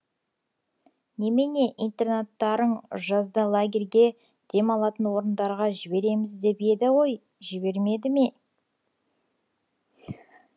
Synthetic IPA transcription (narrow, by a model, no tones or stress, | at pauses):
ne̞mene̞ʔijnt̪e̞rnat̪ːɑɾəɴʒɑzd̪əlˠaɡʲe̞rɡʲe̞ | d̪̥e̞mɑlˠɑt̪ənwo̞ɾənd̪ɑɾʁɑʒɪbe̞ɾe̞mɪzd̪e̞pe̞d̪ɪwo̞j | ʒɪbe̞ɾme̞d̪ɪme